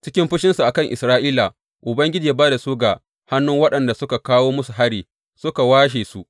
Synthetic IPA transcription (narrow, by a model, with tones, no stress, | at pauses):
t͡ʃɪ˦kʲɪ˦mɸɪ˦ʃɪ˦nsu˨ʔa˨kɐ˦ŋʔɪ̰˨sɾaː˦ʔiː˦la˨ | ʔʊ˨bɐ˦ŋɡʲɪ˦d͡ʒiː˨baː˦da˨su˦ɡa˨ | ha˦nːʊ˦ŋwɐ˦ɗɐ˨nda˨sʊ˦ka˨kaː˦woː˦mʊ˦su˨ɦa˦ɽiː˨ | sʊ˦ka˨waː˦ʃ̬eː˨su˦